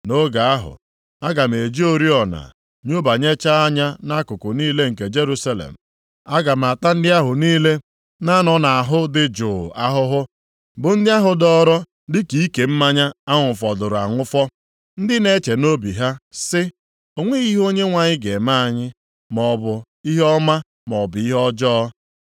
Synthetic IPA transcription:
no˦ɡa˨a˦ɦʊ̰˨ | a˦ɡa˨m̩˨e˨d͡ʒi˦o˦ɾi˦ɔ˨na̰˨ | ɲo˦ba˨ɲe˦t͡ʃa˦a˦ɲa˦na˦kʊ˨kʊ˨niː˦le˦ŋ̩˨ke˨d͡ʒe˦ɾu˦sa˦lḛ˨m̩˨ | a˦ɡa˨m̩˨a˨ta˦n̩˦dɪ˦a˦ɦʊ˨niː˦le˦ | na˦nɔ˨na˨a˨ɦʊ˦dɪ˦d͡ʒʊ˨a˦ɦʊ˦ɦʊ˦ | bʊ˨n̩˦dɪ˦a˦ɦʊ˨dɔ˦ɾɔ˦ | dɪ˦ki˨i˦ke˨m̩˦ma˦ɲa˦a˦ŋʷʊ˨fɔ˨dʊ˨ɾʊ˨a̰˨ŋʷʊ˦fɔ˦ | n̩˦dɪ˦ne˨˦t͡ʃe˨no˦bi˨ɦa˦sɪ˦ | o˨ŋʷe˦i˦ɦo˦ɲe˦ŋʷa˨ɲɪ˦ɡe˨ma˦a˨ɲɪ˦ | mɔ˨bʊ˨ | i˦ɦɔ˦ma˦ | mɔ˨bʊ˨i˦ɦɔ˦d͡ʒɔː˦

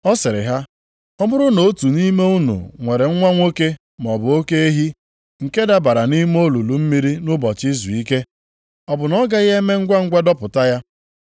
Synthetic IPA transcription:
ɔ˦sɪ˨ɾɪ̰˨ɦa˦ | ɔ˦mʊ˦ɾʊ˦no˨˦tu˨ni˦me˦u˦nṵ˨ŋʷe˨ɾe˨ŋ̩˦ŋʷa˦ŋʷo˦ke˦ | m˨ɔ˨bʊ˨o˦ke˦e˦ɦi˦ | ŋ̩˨ke˦da˦ba˨ɾa˨ni˦m˦o˦lu˨lu˨m̩˦mi˦ɾi˦nʊ˦bɔ˨t͡ʃi˦zu˨i˦ke˦ | ɔ˨bʊ˨nɔ˦ɡa˦ɣe˦me˦ŋ̩˦ɡʷa˦ŋ̩˦ɡʷa˦dɔ˦pʊ˨ta˦ja˦

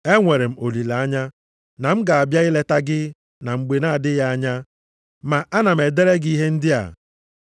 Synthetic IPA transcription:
e˦ŋʷe˨ɾe˨m̩˨o˨li˨la˨a˦ɲa˦ | na˨m̩˦ɡa˨a˨bja˦ɪ˦le˦ta˦ɡɪ˦ | na˨ŋ͡m̩˨ɡ͡be˨na˦˨dɪ˦ja˦a˦ɲa˦ | ma˨ʔa˦na˨m̩˨e˨de˦ɾe˦ɡii˦ɦe˦n̩˦dɪ˦a̰˨

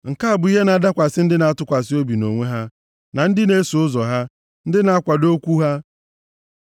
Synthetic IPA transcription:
ŋ̩˨ka˦a˨bʊ˨˦i˦ɦe˦na˨˦da˦kʷa˨sɪ˦n̩˦dɪ˦na˨a˦tʊ˦kʷa˨sɪ˦o˦bi˨no̰˨ŋʷe˦ɦa˦ | na˨n̩˦dɪ˦ne˦su˨ʊ˦zɔ˨ɦa˦ | n̩˦dɪ˦na˨˦a˦kʷa˨do˦kʷu˦ɦa˦

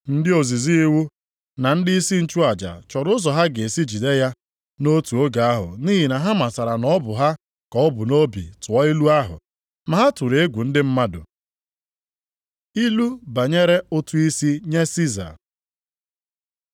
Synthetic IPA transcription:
n̩˦dɪ˦o˨zi˨zi˦i˦wu˦ | na˨n̩˦dɪ˦i˦si˦n̩˦t͡ʃu˦a˨d͡ʒa̰˨t͡ʃɔ˨ɾʊ˦ʊ˦zɔ˨ɦa˦ɡe˨si˦d͡ʒi˨de˦ja˦ | no˦tu˨o˦ɡa˨a˦ɦʊ̰˨niː˦ɦi˨na˨ɦa˦ma˨sa˨ɾa˨nɔ˦bʊ˨ɦa˦ | kɔ˨ɔ˦bʊ˨no˦bḭ˨tʊ˨ɔ˦i˦lu˦a˦ɦʊ̰˨ | ma˨ɦa˦tu˨ɾe˨e˦ɡʷu˨n̩˦dɪ˦m̩˦ma˦dʊ̰˨ | i˦lu˦ba˨ɲe˦ɾe˦ʊ˦tu˦i˦si˦ɲe˦si˦za̰˨

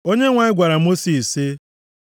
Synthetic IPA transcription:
o˦ɲe˦ŋʷa˨ɪ˦ɡʷa˨ɾa˨mo˦si˨sɪ˦

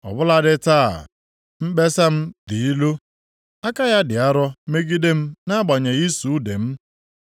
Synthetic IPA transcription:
ɔ̰˨bʊ˦la˦dɪ˦ta̰ː˦˨ | m̩˦be˦sa˦m̩˦di˨i˦lu˦ | a˦ka˦ja˦dɪ˨a˦ɾɔ˦me˦ɡi˦de˦m̩˦na˦ɡ͡ba˨ɲe˨i˦su˨˦de˨m̩˦

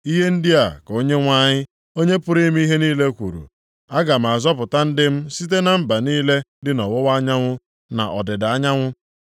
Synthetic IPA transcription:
i˦ɦe˦n̩˦dɪ˦a˨ko˦ɲe˦ŋʷa˦ɲɪ˦ | o˦ɲe˦pʊ˦ɾi˦m˦i˦ɦe˦niː˦le˦kʷṵ˨ɾṵ˨ | a˦ɡa˨m̩˨a˨zɔ˦pʊ˨ta˦n̩˦dɪ˦m̩˦si˦t̬e˦na˨m̩˦˨ba˨niː˦le˦dɪ˦nɔ˨wɔ˦wa˦ɲa˦ŋʷʊ˦ | na̰˨ʔɔ̰˨dɪ˨da˨˦ɲa˦ŋʷʊ˦

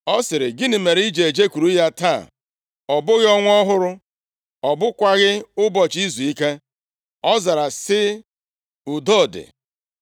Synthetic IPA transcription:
ɔ˦sɪ˨ɾɪ˨ɡɪ˦nɪ˨me˨ɾi˦d͡ʒe˨d͡ʒe˦ku˨ɾu˦ja˦ta˦˨ | ɔ˨bʊ˦ɣɪ˦ɔ˦ŋʷ˦ɔ˦ɦʊ˦ɾʊ˦ | ɔ˨bʊ˦kʷa˦ɣɪ˦ʊ˦bɔ˨t͡ʃi˦zu˨i˦ke˦ | ɔ˦za˨ɾa˨sɪ˦ | ʊ˨dɔ˦˨dɪ̰˨

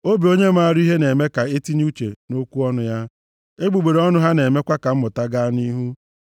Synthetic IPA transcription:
o˦bi˨o˦ɲe˦m̩˦a˦a˨ɾi˦ɦe˦ne˨me˦ka˨e˦ti˦ɲ˦u˦t͡ʃḛ˨no˦kʷu˦ɔ˦nʊ˦ja˦ | e˦ɡ͡bu˨ɡ͡be˨ɾe˨ɔ˦nʊ˦ɦa˦ne˨me˦kʷa˦ka˨m̩˦mʊ˨ta˦ɡa˦ni˦ɦu˦

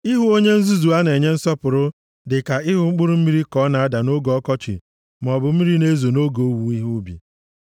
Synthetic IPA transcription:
i˦ɦu˦o˦ɲe˦n̩˦zu˦zu˨a˦ne˨ɲe˦n̩˦sɔ˦pʊ˨ɾʊ˦ | dɪ˨ka˨ɪ˦ɦʊ˦ŋ͡m̩˦k͡pʊ˦ɾʊ˦m̩˦mi˦ɾi˦kɔ˨˦na˨a˦da˨no˦ɡɔ˦kɔ˦t͡ʃɪ̰˨ | m˨ɔ˨bʊ˨m̩˦i˦ɾi˦ne˦zo˨no˦ɡo˨o˦wu˨i˦ɦu˦bḭ˨

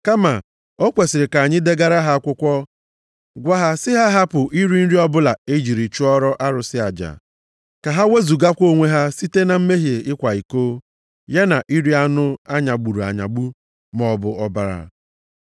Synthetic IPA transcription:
ka˦ma˨ | o˦kʷe˨sɪ˨ɾɪ˨ka˨ɲɪ˦de˦ɡa˦ɾa˦ɦa˦kʷʊ˦kʷɔ˦ | ɡʷa˦ɦa˦sɪ˦ɦa˦ɦa˦pʊ˨ʔi˦ɾi˦n̩˦ɾi˦ɔ˦bʊ˦la˨e˦d͡ʒi˨ɾi˨t͡ʃu˦ɔ˦ɾɔ˦ʔa˦ɾʊ˨sɪ˦a˨d͡ʒa̰˨ | ka˨ɦa˦we˦zu˨ɡa˦kʷo˦ŋʷe˦ɦa˦si˦te˦na˨m̩˦me˦ɦje˨ɪ˦kʷa˨i˨koː˦ | je˦na˨ʔi˦ɾi˦a˦nʊ˦a˦ɲa˨ɡ͡bu˨ɾu˨a̰˨ɲa̰˨ɡ͡bu˦ | mɔ˨bʊ˨ɔ˦ba˨ɾa̰˨

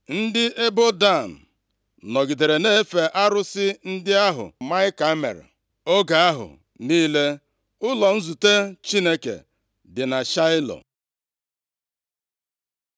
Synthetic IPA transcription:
n̩˦dɪ˦ʔe˦bo˦da˦˨n̩˨ | nɔ˨ɡi˨de˨ɾe˨ne˦fe˨ʔa˦ɾʊ˦sɪ˦n̩˦dɪ˦a˦ɦʊ̰˨ma˦ɪ˦ka˦mḛ˨ɾ̰ | o˦ɡa˨a˦ɦʊ̰˨ | niː˦le˦ | ʊ˦lɔ˨n̩˦zu˨te˦t͡ʃi˦ne˦kḛ˨ | dɪ˨na˨ʃa˦ɪ˦lɔ̰˨

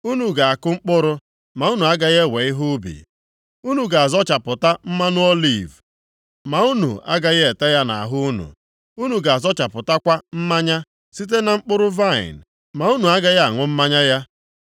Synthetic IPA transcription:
u˦nu˨ɡa˨a˨kʊ˦ŋ͡m̩˦k͡pʊ˦ɾʊ˦ | ma˨u˦nu˨a˦ɡa˦ɣe˦we˨ɪ˦ɦʊ˦bḭ˨ | u˦nu˨ɡa˨a˨zɔ˦t͡ʃa˨pʊ˨ta˦m̩˦ma˦nʊ˦ɔ˦li˨v | ma˨u˦nṵ˨a̰˦ɡa˦ɣe˨ta˦ja˦na̰˨a˨ɦʊ˦nṵ˨ | u˦nu˨ɡa˨a˨zɔ˦t͡ʃa˨pʊ˨ta˦kʷa˦m̩˦ma˦ɲa˦ | si˦t̬e˦na˨ŋ͡m̩˦k͡pʊ˦ɾʊ˦va˦˨ɪ̰˨n | ma˨u˦nu˨a˦ɡa˦ja˦a˨ŋʷʊ˦m̩˦ma˦ɲa˦ja˦

